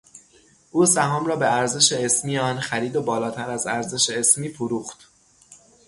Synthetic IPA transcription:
ʔuːsæɦɒːmɾɒːbe̞æɾze̞ʃe̞esmiːjeɒːnxæɾiːd̪o̞bɒːlɒːt̪ʰæɾæzæɾze̞ʃeesmiːfuɾuːxt̪

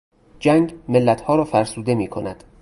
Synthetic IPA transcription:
d͡ʒæŋɡmelːæt̪hɒːɾɒːfæɾsuːd̪e̞miːkʰo̞̰næd̪̥

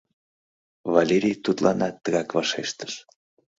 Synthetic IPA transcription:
valʲeɾʲijt̪ut̪lʔɑnɑt̪ːəɣɑkvɑʃeʃt̪ə̥ʃ

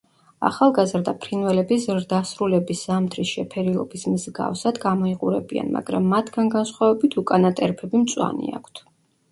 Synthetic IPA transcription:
a̰χalˠɡazɾd̪apʰɾinvɛlɛbizɾd̪asɾulɛbisz̥amt̪ʰɾisʃɛpʰɛɾilˠɔ̰bismzɡa̰fsad̪ɡamɔiqʼuɾɛbia̰nma̰ɡɾa̰mːat̪ʰɡanɡansχwavɛbit̪ʰukʼanat̪ʼɛɾpʰɛbimt̪sʼwa̰nḭa̰kʷʰt̪ʰ

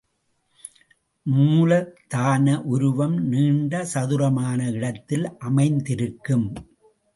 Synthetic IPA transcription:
muːlɐt̪aːnɐʔʊɾʊʋɐmniːɳɖɐsɐðɯɾɐmaːnɐɪɽɐt̪ːɪlʔɐmɐɪnd̪ɪɾɯkːɯm

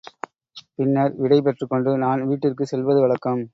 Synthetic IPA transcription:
pɪnːɐɾʋɪɽɐɪp̬ɛʈrɯkːɔɳɖɯnaːnʋiːʈːɪrkɯsɛlʋɐðɯʋɐɭɐkːɐm

